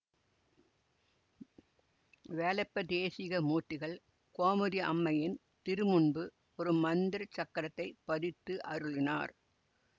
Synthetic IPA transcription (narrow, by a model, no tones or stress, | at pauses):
ʋeːlɐpːɐd̪eːsɪɣɐmuːʈːɪɣɐɭ | koːmɯðɪʔɐ̰mːɐjɪn | t̪ɪɾɯmʊɳbɯ | pɔɾɯmːɐnd̪ɪɾɐt͡ʃːɐkːɐɾɐt̪ːɐɪpːɐðɪt̪ːɯʔɐɾɯɭɪnaːɾ